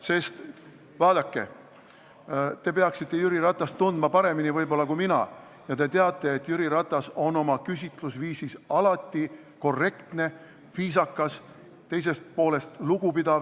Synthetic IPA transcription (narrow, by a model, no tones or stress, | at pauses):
se̞st̪ | vɑːd̪̥ɑkːe̞̰ | t̪e̞pe̞ɑksit̪ˑːe̞jyɾiɾɑt̪ːˑɑst̪ːund̪̥mɑpɑɾe̞minivɤjbo̞lːɑkujminɑ̰ | jɑt̪e̞t̪e̞ɑt̪ːˑe̞ːt̪ːˑjyɾiɾɑt̪ːˑɑso̞no̞mɑkys̬ʲit̪ˑlusviːsisɑlɑt̪ˑːi | ko̞re̞kt̪ne̞ | viːsɑkːˑɑs | t̪e̞js̬e̞st̪̚po̞ːle̞st̪luɡ̥upid̪ɑ